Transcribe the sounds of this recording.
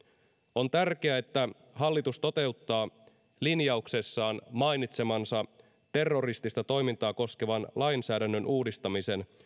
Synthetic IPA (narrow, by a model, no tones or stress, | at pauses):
o̞nt̪ærk̟e̞æe̞t̪ːæ | ɦɑlːit̪ust̪o̞t̪e̞ut̪ːɑː | linjɑukse̞sːɑːnmɑjnit̪se̞mɑnsɑ | t̪e̞rːo̞rist̪ist̪ɑt̪o̞jmint̪ɑːko̞ske̞ʋɑnlɑjnsæːdænːø̞nuːdist̪ɑmise̞n